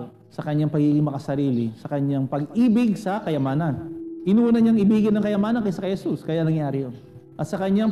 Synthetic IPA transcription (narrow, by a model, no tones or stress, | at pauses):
sɐkɐɲːaŋpɐɡiɡɪŋmɐkɐsɐɾiːlɪsɐkɐɲːaŋpɐɡiːbɪɡ̚sɐkɐjɐmaːnɐnʔɪnunɐɲaŋɪbiːɡɪnːɐŋkɐjɐmaːnɐnkɐjsɐkɐhɛsuskɐjanɐŋjaːɾɪjon | ʔɐt̪̚sɐkɐɲːa